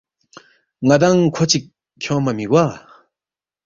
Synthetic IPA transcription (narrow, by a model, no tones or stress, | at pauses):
ŋat̪aŋkʰot͡ɕik̚ | kʰɔmamik̚wa